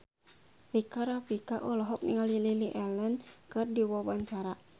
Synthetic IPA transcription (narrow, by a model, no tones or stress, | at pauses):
likaɾafikaʔɔlɔɦɔk̚nḭŋalililiʔɛlənkɨrdiwɔwaɲt͡ʃaɾa